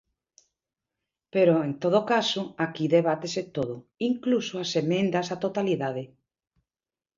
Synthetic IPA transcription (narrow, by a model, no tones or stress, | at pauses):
peɾoent̪oð̞okasʊakiðeβ̞at̪eset̪oðʊiŋklusoasemẽnd̪asat̪ot̪aliðað̞e